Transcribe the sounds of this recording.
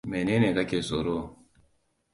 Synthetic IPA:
me˨ne˦ne˨ka˦ke˨so˨ɾo˦˨

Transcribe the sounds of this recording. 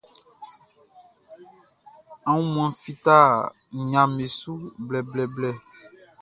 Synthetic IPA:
ã˨˦wũ˦m̃˦˨ã˨˦fi˨t̪a˦˨ | ɲã˨me˨su˦blɛ˨blɛ˨blɛ˦˨

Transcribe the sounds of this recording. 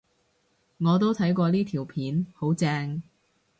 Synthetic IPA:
ŋɔː˨˧t̪o˥wt̪ʰɐ˨˥jkʷɔː˧liː˥t̪ʰiː˨˩wpʰiː˨˥nho˨˥wt͡sɛː˧ŋ

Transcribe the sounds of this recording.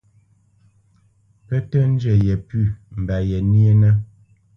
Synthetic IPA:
pə˦tə˦n̩˦d͡ʒɛ˨jɛ˨pʉ˦˨m̩˨ba˨jɛ˨ni˦e˦nə˦

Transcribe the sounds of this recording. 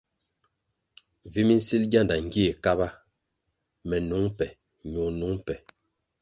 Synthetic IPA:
vi˦mi˦n̩˦si˦lɡa˦˨nda˨ŋ̩˨ɡi˦e˨ka˦ba˦ | mɛ˨nu˨˦ŋpɛ˨ | ɲu˨nu˨˦ŋpɛ˨

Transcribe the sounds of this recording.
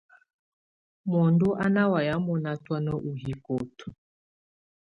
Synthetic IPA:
mɔ˨ndu˦ʔa˦na˦wa˨ja˨˦mɔ˨˦na˦twa˦nɔ˦ʔu˨ɦi˨ko˨tɔ̥˨

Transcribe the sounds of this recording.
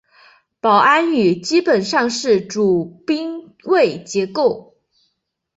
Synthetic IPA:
pɑ˨˩ʊʔa˥ny˨˩t͡ɕi˥pə˨˩nʂɑ˥˧ŋʂɻ̩˥˩ʈ͡ʂu˨˩pi˥ŋ | we˥˩ɪt͡ɕjɛ˧˥ko˥˩ʊ

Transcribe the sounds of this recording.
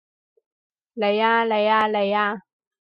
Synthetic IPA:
le˨jaː˧le˨jaː˧le˨jaː˧

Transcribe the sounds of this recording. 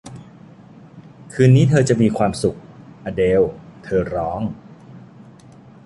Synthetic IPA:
kʰɯː˧nːiː˦˥t̪ʰɤː˧t͡ɕa˨˩miː˧kʰwaː˧msu˨˩k̚ʔa˧deː˧wt̪ʰɤː˧ɾɔː˦˥ŋ

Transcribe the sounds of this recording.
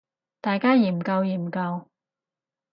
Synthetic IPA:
t̪aː˨jkaː˥jiː˨˩mkɐ˧wjiː˨˩mkɐ˧w

